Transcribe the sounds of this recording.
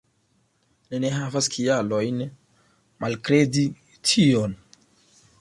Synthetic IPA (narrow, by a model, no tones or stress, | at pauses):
nineɦavaskʰialo̞jn | malkɾe̞di | tʰion